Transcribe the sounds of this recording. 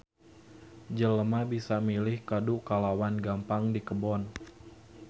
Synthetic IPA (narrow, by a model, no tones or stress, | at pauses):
d͡ʒələmabisamilɪhkadukalawanɡampaŋdikəbɔn